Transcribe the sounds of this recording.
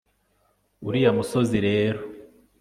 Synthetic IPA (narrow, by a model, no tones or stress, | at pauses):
uɾijamuso̞ziɾe̞ːɾo